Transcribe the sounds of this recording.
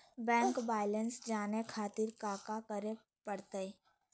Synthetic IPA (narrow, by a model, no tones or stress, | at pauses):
bɛ̃ːŋkbaːɪlənsd͡ʒaːnekʰaːt̪iɾkaːkakəɾe | pəɽt̪əi